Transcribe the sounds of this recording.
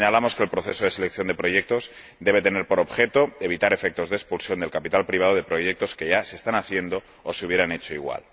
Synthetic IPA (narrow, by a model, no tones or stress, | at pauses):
ɲalamo̞skelpɾoθe̞soð̞e̞se̞lekθjo̞nd̪e̞pɾo̞ʝe̞k̚t̪o̞z | d̪e̞β̞e̞t̪e̞neɾpo̞ɾo̞bxe̞t̪o̞eβ̞it̪aɾe̞fek̚t̪o̞zðespulsjo̞nd̪e̞lkapit̪alpɾiβ̞aðoð̞e̞pɾo̞je̞k̚t̪o̞ske̞ʝaseːst̪anaθje̞nd̪o̞ːseuβjeɾane̞t͡ʃo̞iɣwa̰l